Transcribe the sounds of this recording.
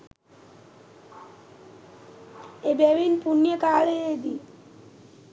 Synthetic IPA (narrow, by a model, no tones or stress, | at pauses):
ebɛbinpunːiekaɭeed̪i